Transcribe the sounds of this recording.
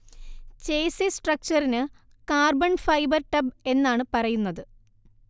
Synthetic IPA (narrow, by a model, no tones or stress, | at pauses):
t͡ɕejsisʈrɐk̚t͡ɕɐrinɨ | kaːrbɐnfɐjbɐrʈɐbe̞nːaːɳɨpɐrɐjunːɐðɨ